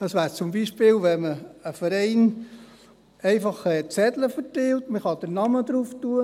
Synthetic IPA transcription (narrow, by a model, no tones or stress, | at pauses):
d̥ɑsʋæːɾt͡sʊmbiːʃpɪːlʋɛməəfəɾɛɪn | ɛɪfɑχɛt͡sɛdləfəɾtɛltməχɑd̥əɾnɑməd̪ɾuːftuə